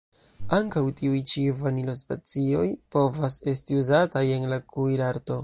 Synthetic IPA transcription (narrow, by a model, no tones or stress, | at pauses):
aŋkawtiujt͡ʃivanilo̞spat͡sio̞jpo̞vase̞stiuzataje̞nlakujɾaɾto̞